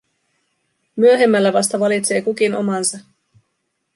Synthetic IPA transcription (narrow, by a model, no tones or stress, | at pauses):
myøɦe̞mːælːæʋɑst̪ɑʋɑlit̪se̞ːkukino̞̰mɑnsɑ